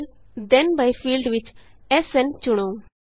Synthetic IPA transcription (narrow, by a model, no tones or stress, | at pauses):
l | d̪ɛ̃nbajfiːlɖʋɪt͡ʃ | ɛsɛ̃nt͡ʃʊɽ̃oː